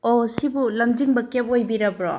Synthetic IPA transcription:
osibulɐmd͡ʒiŋbɐkep̚ojbiɾɐbɾo

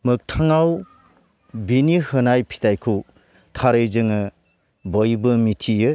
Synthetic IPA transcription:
mɯk̚tʰaŋaw | binihɯnajpʰi̥tajkʰu | tʰaɾɯjzɯŋɯ | bɔjbɯmitʰijɯ

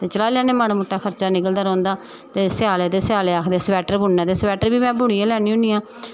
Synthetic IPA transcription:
t̪eːt͡ʃəlaːljaːneːmaːnːmʊʈːaːkʰəɾt͡ʃaːnɪkəld̪aːɾõːnd̪aː | t̪eːsɪjaːleːt̪eːsɪjaːleːaːkʰd̪eːsbɛːʈəɾbʊnːãːt̪eːsbɛːʈəɾbiːmɛ̃ːbʊɽiːãːlɛːɽnĩːʊ̃ːniːãː

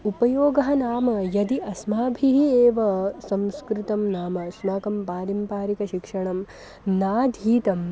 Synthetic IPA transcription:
upɐjoːɡɐɦɐnaːmɐjɐd̪iʔɐsmaːbʱiɦieːʋɐsɐ̃mskɾɪt̪ɐmnaːmɐsmaːkɐmpaːɾimpaːɾikɐʃikʂɐɳɐm | naːd̪ʱiːt̪ɐm

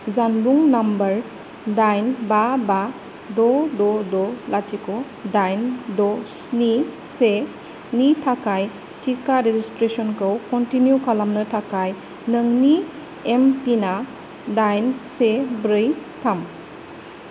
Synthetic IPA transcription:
zanbuŋnambəɾ | dajnbaba | dɔdɔdɔlatʰikɔ | dajndɔsnise | nitʰakaj | tʰikaɾezistɾesɔnkʰɯwkɔntinjukalamnətʰakaj | nəŋni | empina | dajnsebɾɯjtʰam

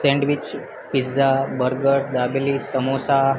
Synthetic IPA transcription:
sẽɳɖʋit͡ɕ | pid͡zabəɾɡəɾd̪ablisəmosa

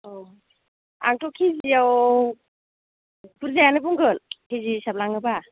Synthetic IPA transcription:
ɔ | a̰ŋtʰɔkʰiziaw | puɾzajanibuŋɡɯlkʰizisablaŋɯba

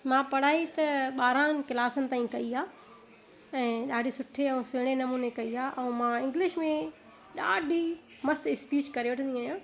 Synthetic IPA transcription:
mãpɐɽ̤aːit̪ɐɓaːɾaːnɪ̆kɪlaːsənɪ̆t̪aːĩkɐiaː | ɛ̃ːɗaːɖʱisʊʈʰeɐ̃ũseːɽ̃enɐmuːnekɐiaːʔɐːmãɪ̃ŋɡlɪʃmẽ | ɗaːɖʱi | mɐstɪspiːt͡ɕkɐɾeʋɐʈʰə̃nd̪ĩaːjãː

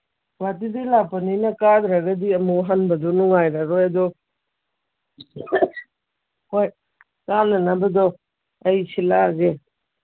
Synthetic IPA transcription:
wat̬idilapɐninɐkad̪ɾaɡɐdiɐmuɦanbɐdɔnuŋajɾaɾɔjadɔ | hoj | kamnanabɐdɔ | ɐjsilaɡe

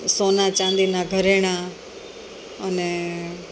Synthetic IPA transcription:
soːnat͡ʃãːnd̪inaɡʱəɾeːɽ̃a | ənɛ

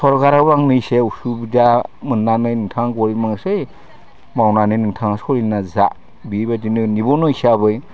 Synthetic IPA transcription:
sɔɾkaɾabaŋnɯjseusubidamɯnːanɯjnɯŋtʰaŋɡɔɾimaŋsɯj | mawnanɯjnɯŋtʰaŋaskʰɔɾinazaʔ | bibadinɯnibɔnɔjsabɯj

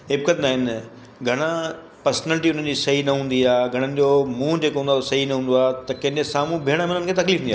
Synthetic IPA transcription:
ɦɪb̚kət̪naːɦɪn | ɡʱɐɽ̃a | pɐɾsnɛːlɪʈiʊn̤ən̆d͡ʑiːsɐɦinɐɦũːnd̪iaːɡʱɐɽ̃ənɪ̆d͡ʑoːmũd͡ʑeːkoɦũnd̪aosɐɦinɐɦũːnd̪oaːt̪ɐkɐ̃ɦɪ̃ndesaːmũbʱeːəɽ̃əmɪnənɪ̆kʰeːt̪ɐkliːfũniaː

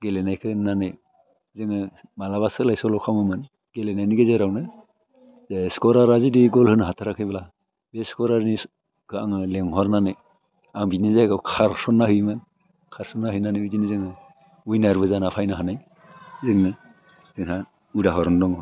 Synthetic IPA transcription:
ɡelenajkʰɯnane | zɯŋɯmalaβasɯlajsɔlɔwkʰamɯmɯn | ɡ̥elenajniɡɯzeɾawnɯ | zeskɔɾaɾazidiɡɔlhɯnɦatʰaɾakʰɯjbala | beskɔɾaɾni | kʰɯaŋɯleŋhɔɾnane | aŋbinizaɡakʰaɾsɔnːahɯjmɯn | kʰaɾsɔnːahɯjnaneujdinizɯŋɯ | ujnaɾbɯzanapʰajnaɦanaj | zɯŋɯ | z̥ɯŋɦa | udaɦɔɾɔndɔŋɔ

